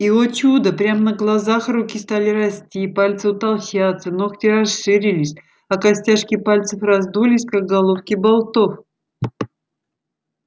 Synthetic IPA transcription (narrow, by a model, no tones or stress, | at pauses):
iot͡ɕud̪əpɾʲamnəɡlˠɐzaxrukʲist̪alʲɪɾɐsʲtʲipalʲt̪sɨʊt̪ɐlˠɕat̪sənoxtʲɪrɐsʂɨɾʲɪlʲɪsʲ | ɐkɐsʲtʲaʂkʲɪpalʲt̪sɨfrɐzd̪ulʲɪsʲkak̚ɡɐlˠofkʲɪbalˠt̪of